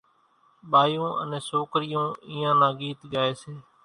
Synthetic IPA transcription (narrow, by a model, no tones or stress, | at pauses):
ɓaːjõːʔə̰nẽːsoːkɾɪjõːɪiːãːnãːɠiːt̪ɡaːeːseː